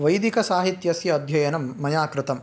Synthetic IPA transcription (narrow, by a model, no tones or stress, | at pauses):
ʋɐjd̪ikɐsaːɦit̪jɐsjɐːd̪ʱjɐjɐnɐmːɐjaːkɾɪt̪ɐm